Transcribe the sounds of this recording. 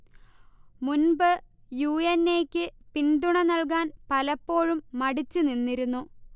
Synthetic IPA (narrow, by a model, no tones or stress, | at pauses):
munbɨ | juːenːeːkʲːɨpiɳɖ̪uɳɐnɐɭk̬aːnpɐlɐpːo̞ːɻumːɐɽit͡ɕːɨninːiɾunːu